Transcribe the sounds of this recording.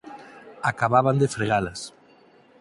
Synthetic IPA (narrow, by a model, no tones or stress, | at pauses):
akaβaβand̪efɾeɣalɐs